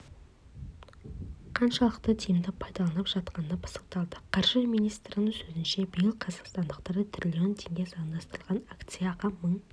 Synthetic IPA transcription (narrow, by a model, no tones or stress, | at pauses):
qʰɑnʃɑlˠəqt̪ət̪ʰijɪmd̪ɪpʰɑjd̪ɑlˠɑnəpʒ̥ɑt̪qɑnənɑbə̥sə̥q̚t̪ɑlˠd̪əqʰɑɾʒəmijnijst̪ɾɪnəŋsɵzɪnʃe̞bijɪlˠqʰɑzɑqst̪ɑnd̪əqt̪ɑɾət̪ʰrʲilʲiont̪ʰe̞ŋɡʲesɑənd̪ɑst̪əɾəlˠʁɑnakt̪sɨjaʁɑməɴ